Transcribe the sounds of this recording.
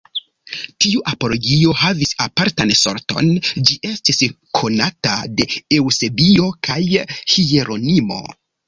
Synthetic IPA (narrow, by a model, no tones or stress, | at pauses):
tiuʔapo̞lo̞ɡio̞havisapaɾtanso̞̰ɾto̞̰nd͡ʒiʔe̞stis | kʰo̞natade̞ewse̞bio̞kʰajhie̞ɾo̞nimo̞̰